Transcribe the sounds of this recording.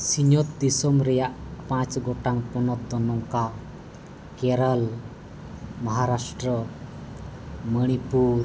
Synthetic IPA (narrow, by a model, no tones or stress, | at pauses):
siɲɔt̪̚d̪isɔmɾɛjaʔpãt͡ʃɡɔʈaŋpɔnɔt̪̚d̪ɔnɔŋka | kɛɾal | maɦaɾasʈɾə | məɽ̃ipuɾ